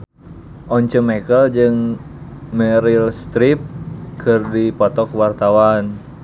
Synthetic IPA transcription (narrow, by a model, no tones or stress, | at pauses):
ʔɔɲt͡ʃəmɛkəld͡ʒɨŋ | mɛɾilst̪ɾip̚kʰɨrdipɔt̪ɔkwart̪awan